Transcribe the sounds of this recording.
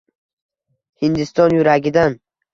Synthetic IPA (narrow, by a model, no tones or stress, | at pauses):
hɪnd̪ɪst̪ɒnjʊɾaɡʲɪd̪an